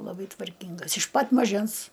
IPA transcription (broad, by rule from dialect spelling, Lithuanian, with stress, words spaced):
lˠɐˈbɐɪ tʋɐrʲˈkʲiːŋɡɐs ɪʃ pɐt mɐˈʒʲɛns